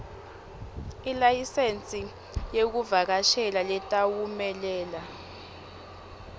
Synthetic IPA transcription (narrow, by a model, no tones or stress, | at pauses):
ilajisent͡sʼi | jek̬uvak̬aʃɛlalɛtʼawumɛlɛːla